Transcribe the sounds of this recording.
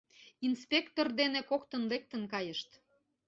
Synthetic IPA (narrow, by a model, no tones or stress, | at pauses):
inspʲekt̪ord̪enekokt̪ənlek̚t̪ənkɑjəʃt̪